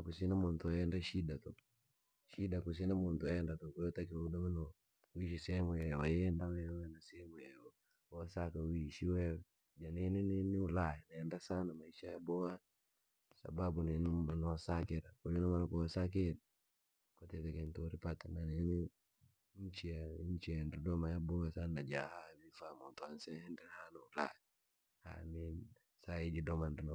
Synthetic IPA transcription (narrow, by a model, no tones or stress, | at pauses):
akusinamontɔɛndaʃidato | ʃidakus̬inamontɔɛndatokojotakiwudamano | iʃisɛmujɛwajndawɛwɛnasɛmujɛwa | wasakawiʃiwɛw | d͡ʒaninininiulajanajɛndasanamaiʃajabɔa | sa̰babunnnɔsakiɾakojunamanakɔsak̬iɾ | kotɛtekentuɾipatananini | ɲt͡ʃijaiɲt͡ʃiandidɔmajabɔwasandad͡ʒahamifamotɔansɛhɛndiɾhanaula̰jɛ | ha̰min | sajid͡ʒidɔmandino